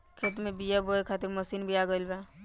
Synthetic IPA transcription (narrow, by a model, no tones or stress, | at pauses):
kʰeːt̪mẽbijabʱoekʰaːt̪ɪɾməsiːnbʱiaːɡəlbɛ̃